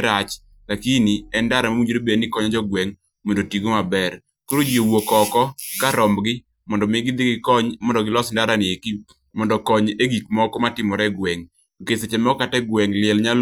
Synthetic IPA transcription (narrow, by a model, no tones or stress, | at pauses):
ɾat͡ʃ | lakiniɛndaɾamawud͡ʒoɾebenɪkɔɲad͡ʒɔɡwɛŋ | mondotiɡomabɛr | koɾod͡ʒiowokɔkɔkaɾɔmɡɪ | mɔndɔmɪɡɪd̪ɪɡɪkɔɲmɔndɔɡɪlɔsndaɾanɪeki | mɔndɔkɔɲeɡik̚mɔkɔmatɪmɔɾɛɡwɛŋ | okeset͡ʃɛmɛɔkatɛɡwɛŋlɪɛlɲal